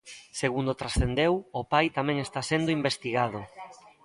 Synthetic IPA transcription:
seɣund̪ot̪ɾasθend̪ewʊpajt̪amɛ̃ŋest̪asend̪ʊimbest̪iɣað̞ʊ

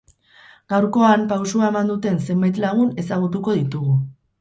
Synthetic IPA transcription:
ɡ̥awɾko̞ampawsuae̞mand̪ut̪e̞nse̞mbajt̪laɣ̞une̞saɣ̞ut̪̬uko̞ðit̪uɣu

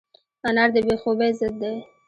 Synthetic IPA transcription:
anaɾd̪əbexobezəd̪ːe

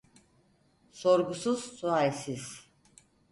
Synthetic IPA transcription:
soɾɡusuz̥suajsiz

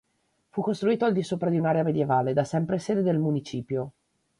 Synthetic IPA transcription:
fukːost̪ɾuiːt̪oald̪isoːpɾad̪iunaɾeamed̪jevaːled̪asɛmpɾeseːd̪ed̪elmunit͡ʃiːpjo

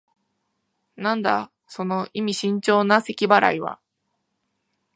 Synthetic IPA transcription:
nãnd̪a | so̞no̞ʔimʲiɕĩɲ̟t͡ɕo̞ːnase̞kʲibaɾa̰iβa̰

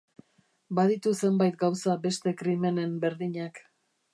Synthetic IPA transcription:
baðit̪use̞mbajt̪̚ɡawsabe̞st̪e̞kɾime̞ne̞mbe̞ɾðiɲak

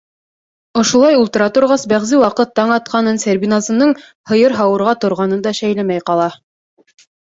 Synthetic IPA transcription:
ŏʃŭlˠɑjulˠt̪ɤ̆ɾɑt̪ŏɾʁɑsbæʁzɘwɑqɤt̪ːɑɴɑt̪̚qɑnɤnsæɾbʲinazɤ̆nɤɴ | hɤ̆jɤɾɦɑwɤ̆ɾʁɑt̪ŏɾʁɑnɤnd̪ɑʃæjlæmæjqɑlˠɑ

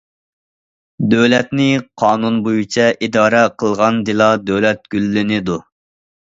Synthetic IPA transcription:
d̪øwlɛt̪nɪqʰɑːnunbojut͡ʃʰɛʔid̪ɑːɾɛqʰəlˠʁɑnd̪ɪlˠɑd̪øwlɛt̪̚ɡ̥ʲylːɪnɪd̪u

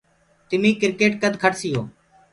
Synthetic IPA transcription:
t̪ɪmiːkɪɾkeːʈkəd̪kʰəʈsɪjo̰ː

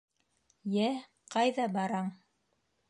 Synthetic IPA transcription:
jæ | qɑjðɑbɑɾɑɴ

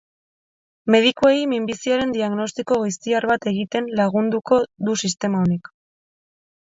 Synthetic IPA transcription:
me̞ð̞ikuejmimbisiaɾe̞nd̪iaɣno̞st̪iko̞ɣijst̪iarβat̪e̞ɣit̪e̞nlaɣ̞und̪uko̞ðusist̪e̞maonik

